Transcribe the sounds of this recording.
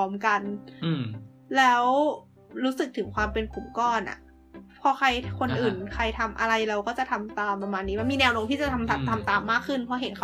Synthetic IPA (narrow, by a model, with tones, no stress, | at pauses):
ɔː˦˥mka˧n | lɛː˦˥w | ɾuː˦˥sɯ˨˩k̚t̪ʰɯ˩˦ŋkʰwaː˧mpe˧nkʰu˨˩˦mkɔː˥˩nʔa̰˨˩ | pʰɔː˧kʰa˧jkʰo˧nʔɯː˨˩nkʰa˧jt̪ʰa˧mʔa̰˧ɾa˧jɾa˧wkɔː˥˩t͡ɕa˨˩t̪ʰa˧mt̪aː˧mpɾa˧maː˧nːiː˦˥ma˧nmiː˧nɛː˧wnoː˧ŋt̪ʰiː˥˩t͡ɕa˨˩t̪ʰa˧mt̪ʰa˧˩mt̪ʰa˧mt̪aː˧mːaː˥˩kʰːɯ˥˩npʰɔ˨˦˥ɦe˨˩˦nkʰa˦